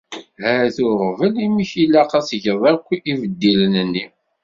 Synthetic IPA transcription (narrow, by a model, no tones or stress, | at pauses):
hæɾθʊɾˤvəlimiçilːaqɑsʝəðˤɑkʷːivəd̪ːilənənːi